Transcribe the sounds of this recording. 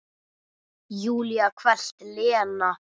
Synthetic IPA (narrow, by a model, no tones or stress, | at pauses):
juːliakʰvɛl̥t̪lɪːana